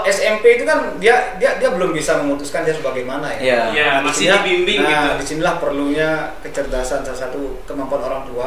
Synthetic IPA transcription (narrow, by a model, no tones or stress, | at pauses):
ʔɛsɛmpeit̪ukandiadiadiabəlʊmbisaməŋut̪uskandiasəbaɡajmanajajadisinilaibimbɪŋadisinilahpərluɲakət͡ʃərd̪asansalasat̪ukəmampuanoɾaŋt̪ua